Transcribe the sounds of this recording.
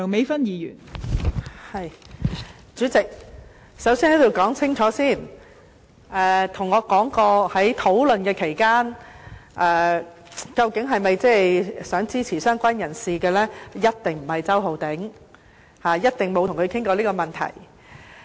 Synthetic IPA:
ŋme˨˥jfɐ˥njiː˨˧jy̰ː˨˩n | hɐ˨j | t͡syː˨˥t͡sɪ˨k̚ | sɐ˨˥wsiː˥nhɐ˨˥jt̪o˨wkɔː˨˥ŋt͡sʰɪ˥ŋt͡ʃʰɔː˨˧˥siː˥˩n | ɛː˨˧t̪ʰʊ˨˩ŋːɔː˨˧kɔː˨˥ŋkɔː˧hɐ˨˥jt̪ʰo˨˥wlɵ˨nkɛː˧kʰe˨˩jkaː˥nʔɛː˨˧ | kɐ˧wkɪ˨˥ŋɦɐ˨jmɐ˨jt͡sɛ˥˨jsœː˨˥ŋt͡siː˥t͡sʰiː˨˩sœː˥ŋkʷaː˥njɐ˨˩nsiː˨kɛː˧lɛː˥jɐ˥t̚t̪ɪ˨˩ŋm̩˨˩hɐ˨jt͡sɐ˥wɦo˨˧wt̪ɪ˨˥ŋ | haː˨˩jɐ˥t̚t̪ɪ˨ŋmo˨˧wt̪ʰŋkʰɵ˨˧kʰɪ˥ŋkɔː˧liː˥kɔː˧mɐ˨˩nt̪ʰɐ̰˨˩j

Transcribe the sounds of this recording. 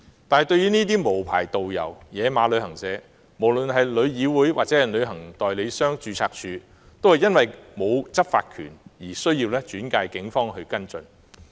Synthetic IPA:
t̪aː˨nhɐ˨jt̪ɵ˧ɥjyː˥niː˥t̪̬iː˥mo˨˩wpʰa̰ː˨˩jt̪o˨wjɐ̰˨˩wjɛː˨˧maː˨˧˥lɵ˨˧ɥhɐ˨˩ŋsɛː˨˥ | mo˨˩wlɵ˨˩nɦɐ˨jlɵ˨˧ɥjiː˨˧wuː˨˥jwa̰˨t͡sɛ˨˥hɐ˨˩jlɵ˨˧ɥɦɐ˨˩ŋt̪ɔː˨˩jle˨˧jsœː˥ŋt͡ʃyː˨˧t͡sʰaː˧k̚t͡ʃʰyː˨˧ | t̪o˥whɐ˨jɐ˥nwɐ˨jmo˨˧wt͡sɐ˥p̚faː˧t̚kʰy̰ː˨˩njiː˨˩sɵ˥ɥjiː˧wlɛː˥t͡ʃyː˨˥nkaː˧jkɪ˨˥ŋfɔː˥ŋɦɵ˧kɐ˥nt͡sɵ˨n

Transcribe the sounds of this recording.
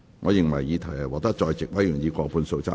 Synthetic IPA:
ŋɔː˨˧jɪ˨ŋmɐ˨˩jjiː˨˧t̪ʰɐ˨˩jɐ˨˩wɔː˨˩t̪ɐ˥t͡ʃɔː˧jt͡sɪ˨k̚wɐ˨˥jy˨˩ŋjiː˨˧kʷɔː˧puː˨˧nso˧wt͡sa˥

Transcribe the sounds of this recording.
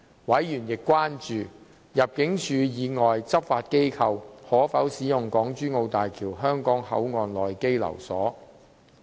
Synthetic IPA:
wɐ˨˥jjyː˨˩njɪ˨kːʷwaː˥nt͡ʃyː˨ | jɐ˨p̚kɪ˨˥ŋt͡ʃʰyː˨˧jiː˨˧ŋɔː˨jt͡sɐ˥p̚faː˧t̚ke˥jkʰɐ˧whɔː˨˥fɐ˨˥wsiː˨˥jʊ˨ŋkɔː˨˥ŋt͡ʃyː˥ŋo˧wt̪aː˨jkʰiː˨˩wɦœː˥ŋkɔː˨˥ŋhɐ̰˨˥wŋɔː˨˧nlɔː˨˩jke˥jlɐ̰˨˩wsɔ̰ː˨˥

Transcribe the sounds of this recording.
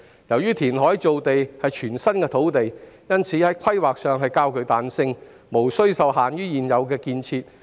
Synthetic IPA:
jɐ˨˩wjyː˥t̪ʰiː˨˩nɦɔː˨˥jt͡so˨wt̪e˨jhɐ˨jt͡ʃʰyː˨˩nsɐ˥nkɛː˧t̪ʰo˨˥wt̪e˨jjɐ˥nt͡sʰiː˨˥hɐ˨˥jkʷʰɐ˥jwaː˨k̚sœː˨ŋɦɐ˨jkaː˧wkɵ˨ɥt̪aː˨nsɪ˧ŋ | mo˨˩wsɵ˥ɥsɐ˨˧wɦaː˨njyː˥jiː˨njɐ˨˧wkɛː˧kiː˧nt͡sʰiː˧t̚

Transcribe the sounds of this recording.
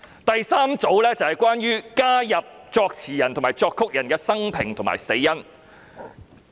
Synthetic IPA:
t̪ɐ˨jsaː˥mt͡so˨˥wlɛː˥t͡sɐ˨hɐ˨jkʷwaː˥nɥyː˥kaː˥jɐ˨p̚t͡sɔː˧k̚t͡sʰiː˨˩jɐ˨˩nt̪ʰo˨˩ŋmaː˨˩jt͡sɔː˧kʰːʊ˥k̚jɐ˨˩nkɛː˧sɐ˥ŋpʰɪ˨˩ŋt̪ʰʊ˨˩ŋma̰ː˨˩jse˨˧˥jjɐ˥n

